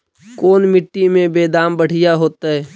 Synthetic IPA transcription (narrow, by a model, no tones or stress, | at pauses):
koːnmɪʈːimẽbeːd̪aːmbəɽ̤ɪjaɦoːt̪aɦɛː